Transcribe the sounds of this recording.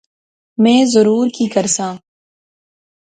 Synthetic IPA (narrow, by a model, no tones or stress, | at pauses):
mɛ̃ːzʊɾuːɾkikɐɾsãː